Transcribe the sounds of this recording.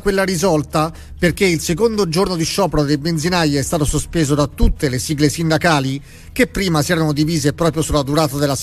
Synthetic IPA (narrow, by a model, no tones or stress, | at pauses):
kwelːaɾizɔlt̪a | perkeilsekond̪od͡ʒornod̪iʃɔːpɾod̪ejbend̪zinajeɛst̪aːt̪osospeːzod̪at̪ːut̪ːelesiːɡlesind̪akaːli | k̟epːɾiːmasiɛːɾanod̪iviːzepɾɔːpɾjosulːad̪uɾaːt̪ad̪elːas